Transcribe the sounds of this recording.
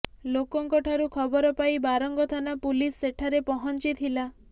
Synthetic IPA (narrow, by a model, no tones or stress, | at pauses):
lokɔŋkɔʈʰaɾukʰɔbɔɾɔpaibaɾɔŋɡɔt̪ʰanapulisːeʈʰaɾepɔɦɔnt͡ʃit̪ʰila